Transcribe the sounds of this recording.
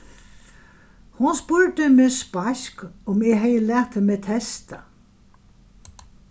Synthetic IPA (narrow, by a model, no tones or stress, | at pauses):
hʊnspʊɹt̪əmɪðspaʃkʊmɪɦɛjəlɛːht̪hɪmɛt̪ʰɛst̪a